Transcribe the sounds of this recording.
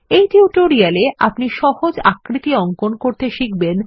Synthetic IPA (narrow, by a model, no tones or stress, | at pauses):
ejʈiuʈoɾialeʔa̰pniʃɔhod͡ʑakɾit̪iɔŋkonkoɾt̪eʃik̚ben